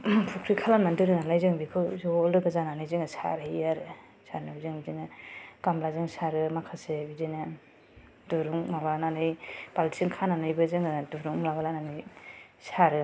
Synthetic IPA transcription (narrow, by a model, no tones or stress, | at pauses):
pʰukʰɾikʰalanmandɯɾɯnalajzɯŋbikʰɯzɔlɯɡazananɯjzɯŋɯsa̰ɾɯijaɾɯ | saɾnɯbizɯŋbizinɯkamlazɯŋsaɾɯmakʰasebizinɯ | duɾuŋmabaananɯjpaltʰi̥siŋkʰananɯjbɯzɯŋɯduɾuŋlabalananɯj | saɾɯ